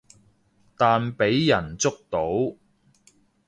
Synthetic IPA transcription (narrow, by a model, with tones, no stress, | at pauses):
t̪aː˨npe˨˥jːɐ˨˩nt͡sʊ˥k̚t̪o˨˥w